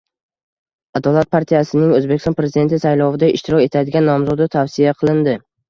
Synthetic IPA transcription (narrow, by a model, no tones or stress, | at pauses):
ad̪ɒlˠat̪̚pʰaɾt̪ʰijasɪnɪŋɵzbekʲɪst̪ɒnpɾe̞zɪd̪e̞nt̪ʰɪsajlɒvɪd̪aɪʃt̪ɪɾɒkʲe̞t̪ʰad̪ɪɡʲanːɒmzɒd̪ɪt̪ʰavsijaqʰɨlˠɪnd̪ɪ